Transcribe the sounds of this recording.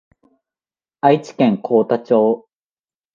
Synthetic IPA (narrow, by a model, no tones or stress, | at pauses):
ait͡ɕi̥kẽŋkʰoːt̪at͡ɕo̞ː